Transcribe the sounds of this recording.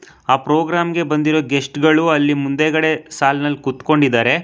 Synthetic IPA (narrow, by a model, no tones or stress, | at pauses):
aːpɾoːɡɾaːmɡe̞bɐnd̪iɾoɡesʈɡɐɭuɐlːimund̪eɡɐɽe̞saːlnɐlːkut̪ko̞ɳɖid̪ːaːɾe̞